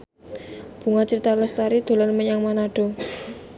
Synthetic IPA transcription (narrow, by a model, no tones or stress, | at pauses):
b̥ṳŋat͡ʃəɾit̪aləst̪aɾid̪̥o̤lɔnməɲaŋmanaɖ̥o̤